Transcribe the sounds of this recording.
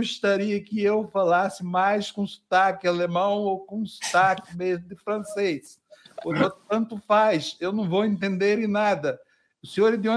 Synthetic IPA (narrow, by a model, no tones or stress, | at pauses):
oʃt̪aɾiɐkɪewfalasɪmajskõsu̥t̪akɪalemɐ̃w̃owkõsu̥t̪akɪmezmʊd̪ɪfɾɐ̃sejs | ponõt̪ɐ̃nt̪ʊfajsewnɐ̃w̃vowẽnt̪ẽnd̪eɾẽnad̪ɐ | ʊsẽoɾid̪iõ